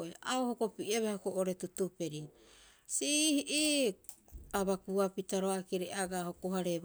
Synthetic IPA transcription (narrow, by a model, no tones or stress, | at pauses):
eaohokopiʔeβahokoʔoɾetutupe̞ɾi | sihiʔi | aβakuapitaɾoakiɾeaɡahokoɦaɾe